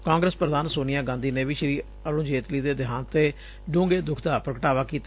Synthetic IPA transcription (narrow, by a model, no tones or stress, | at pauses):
kãːŋɡɾəspɾəd̪aːnsoːnɪjãːɡãːnd̪iːneːʋiːʃɾiː | əɾõːd͡ʒeːt̪liːd̪eːd̪ɪɦãːnt̪eː | ɖõːŋɡeːd̪ʊkʰd̪aːpɾəkəʈaːʋaːkiːt̪